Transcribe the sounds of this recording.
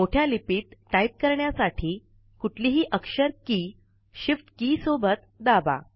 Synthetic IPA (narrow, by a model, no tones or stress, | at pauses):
moʈʰjalipiːt̪̚ːaip̚kəɾɳjasaʈʰiː | kuʈʰliːɦiːʔəkʂəɾkiː | ɕifʈkiːsobət̪d̪aba̰